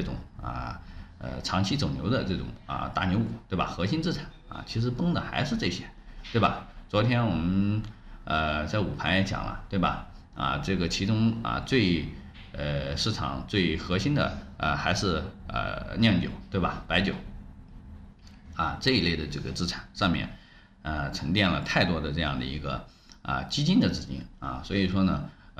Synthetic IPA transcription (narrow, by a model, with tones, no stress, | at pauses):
ʈ͡ʂɤ˥˩ʈ͡ʂʊ̰˨˩ŋə̰˧ə̰˩ʈ͡ʂʰɑ˧˥ŋt͡ɕʰi˥t͡so˨˩ʊnjo˧˥d̪ə˧ʈ͡ʂɤ˥˩ʈ͡ʂʊ̰˨˩ŋə̰˧t̪a̰˥˩njo˧˥u˨˩˦t̪we˥˩ɪba˨˩xɤ˧˥ɕi˥nt͡sɹ̩˥˧ʈ͡ʂʰḁ˨˩˦nɐ̰˧˩t͡ɕʰi˧˥ʂ̬ɻ̩˧˥pɤ˥ŋd̪ə˨xa˧˥ɪʂɻ̩˥˧ʈ͡ʂɤ˥˩ɕjɛ˥t̪we˥˩bɐ̰˨˩t͡swɔ˧˥t̪ʰjɛ˥nwɔ˨˩mə˦n | ə˧t͡sa˥˩ɪu˨˩pʰa˧˥njɛ˧˥t͡ɕjɑ̰˨˩ŋlə̰˦t̪we˥˩ɪbɐ̰˩ | ɐ̰˧ʈ͡ʂɤ˥˩ɡə˩t͡ɕʰi˧˥ʈ͡ʂʊ˥ŋɐ̰˧t͡swe˥˧ɪ˩ | ʂɻ̩˥˩ʈ͡ʂʰɑ̰˨˩˦ŋt͡swe˥˩ɪxɤ˧˥ɕi˥nd̪ə̰˨ə̰˧xa˧˥ɪʂɻ̩˥˩˧ə̰˧˩njɛ˥˩ŋt͡ɕjo̰˨˩˦ʊt̪we˥˩ɪbɐ˩pa˧˥ɪt͡ɕjo˨˩˦ʊ | ɐ˧ʈ͡ʂɤ˥˧i˧˥le˥˩ɪd̪ə˩ʈ͡ʂɤ˥˩ɡə˩t͡sɹ̩˥˩ʈ͡ʂʰḁ˨˩˦nʂɑ˥˧ŋmjɛ̰˥˩n | ə˧ʈ͡ʂʰɤ˧˥ŋt̪jɛ˥˩nlə˩t̪ʰa˥˩ɪt̪wɔ˥d̪ə˨˧ʈ͡ʂɤ˥˧jɑ˥˩ŋd̪ə̰˩ḭ˧˥ɡə̰˧ | ə̰˧t͡ɕi˥t͡ɕi˥nd̪ə˨t͡sɹ̩˥˩t͡ɕḭ˥nɐ̰˥˧swɔ˧˥i˨˩ʂwɔ˥nə˨